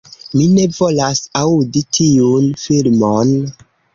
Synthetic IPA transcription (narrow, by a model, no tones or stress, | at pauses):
mine̞volasauditʰiunfilmon